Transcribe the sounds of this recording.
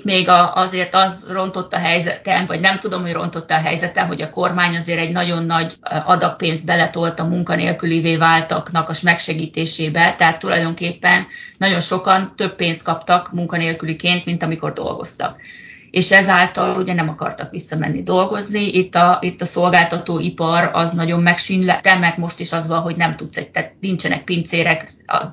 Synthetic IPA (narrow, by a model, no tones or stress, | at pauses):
t̪meːɡɒɒzeːrt̪ɒzro̞nt̪o̞t̪ːɒɦɛjzɛt̪ɛnvɒɟnɛmt̪ud̪o̞mho̞ɟro̞̰nt̪o̞t̪ːɛɦɛ̰jzɛt̪ɛnɦo̞ɟɒko̞rmaːɲɒzeːɾɛɟnɒɟo̞nːɒɟɒd̪ɒpːeːnzd̪̚bɛlɛt̪o̞lt̪ɒmuŋkɒnḛːlkyliveːvaːlt̪ɒknɒkɒʃmɛkʃɛɡiːt̪eːʃeːbɛt̪ɛɦaːt̪ːulɒ̰jd̪o̞ŋkeːpːɛnːɒɟo̞nʃo̞kɒnt̪ø̞bːeːnst̪̚kɒpt̪ɒkmuŋkɒneːlkylikeːnt̪mint̪ɒmiko̞̰rd̪o̞̰lɡo̞̰st̪ɒ̰k | eːʃɛzaːlt̪ɒluɟɛnɛmɒkɒ̰rt̪ɒkʋisːɒmɛ̰nːid̪o̞lɡo̞zniʔit̪ːɒit̪ːɒso̞lɡaːlt̪ɒt̪oːʔipɒɾɒ̰znɒɟo̞mːɛkʃinlɛt̪ɛmɛrt̪mo̞ʃt̪iʃɒzʋɒlɦo̞ɟnɛmt̪ut̪sɛt̪ɛt̪nint͡ʃɛnʔɛ̰k̚pint̪seːɾɛkɒ̰